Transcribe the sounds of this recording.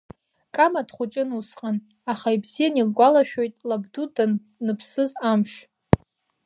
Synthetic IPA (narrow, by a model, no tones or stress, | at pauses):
kʼamadχʷʊt͡ʃʼɪnusqʼan | aχaibz̥ijanilɡʷalaʃᶣojtʼlabdudan | nɨpʰsɨzamʃ